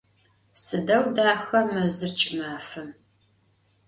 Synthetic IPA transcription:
sɨdɐwdaːxʷɐmɐzɨrt͡ʃʼɪmaːfɨm

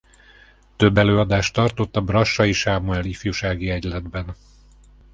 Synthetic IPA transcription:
t̪øbːɛløːɒd̪aːʃt̪ɒrt̪o̞t̪ːɒbrɒʃːɒiʃaːmuɛlifjuʃaːɡiɛɟlɛd̪bɛn

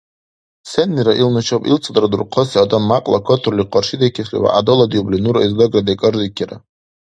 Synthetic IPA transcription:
senːiɾaʔilnat͡ʃʰopʼḭlt͡sʰadaɾadurqʰosiadanmakʼla̰kʷʰotʰrliqʰarʂidakʲʰaχʲḭwa̰ʔa̰dolad̪jublinuɾaizdoɡrad̪akʼɨrzikʲʰiɾa

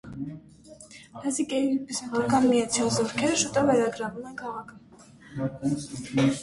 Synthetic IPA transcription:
lɑsikʼɛjipisɛʁɑkɑnmijɑt͡sʰjɑlˠzɔɾkʰɛɾəʃut̪ɔvːɛɾɑɡɾɑvumɛnkʰɑʁɑkʰə

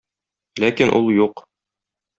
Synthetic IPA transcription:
lækinʔulˠjuq

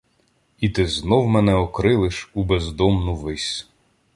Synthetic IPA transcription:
it̪ɪznɔwmɛnɛɔkɾɪlˠɪʃubezd̪ɔmnʊʋɪsʲ

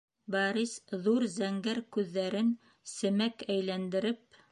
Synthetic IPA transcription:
bɑɾisðuɾzæŋɡæɾkʉðːæɾɘn | sɘ̆mækæjlænd̪ɘ̆ɾɘp̚

